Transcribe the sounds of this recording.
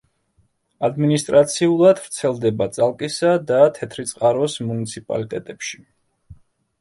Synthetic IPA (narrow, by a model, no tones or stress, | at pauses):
ad̪minist̪ʼɾat̪sʰiulˠad̪vɾt̪sʰɛlˠd̪ɛbat̪sʼalˠkʼisad̪at̪ʰɛt̪ʰɾit̪sʼqʼaɾɔsmunit̪sʰipʼa̰lit̪ʼɛt̪ʼɛpʃi̥